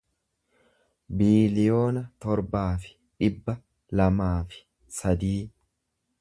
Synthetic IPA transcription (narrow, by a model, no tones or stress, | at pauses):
biːlɪjo̞ːnɐt̪ɔɾbaːfɪ̥ | ᶑɪbːɐ | lɐmaːfɪ̥ | sɐd̪iː